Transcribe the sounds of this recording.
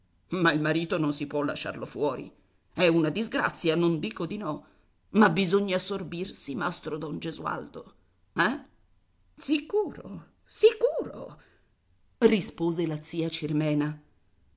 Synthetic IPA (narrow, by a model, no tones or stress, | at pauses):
mailmaɾiːt̪ononsipwɔlːa̰ʃːa̰rlofwɔːɾḭ | ɛunad̪izɡɾa̰t̪sːjanond̪iːkod̪inɔ | mabizoɲːasorbirsimast̪ɾod̪ɔnd͡ʒezua̰ld̪o | ɛ | sikuːɾo̰ | sikuːɾo̰ | rispoːzelat̪sːiːat͡ʃirmɛːna